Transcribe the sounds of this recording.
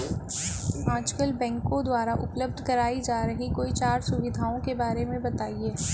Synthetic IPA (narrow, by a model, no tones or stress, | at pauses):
aːd͡ʒkəlbɛ̃ːŋkõd̪waːɾaʔʊpləbd̪ʱkɐɾaːid͡ʒaːɾɐɦikoːit͡ʃaːɾsʊʋɪd̪ʱaːõkebaːɾemẽbɐt̪aːieː